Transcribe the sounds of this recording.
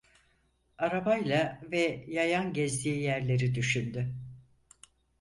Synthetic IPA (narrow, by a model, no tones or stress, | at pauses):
aɾabajlˠavɛjajanɟɛzd̪ijijæɾlʲe̞ɾid̪yʃynd̪y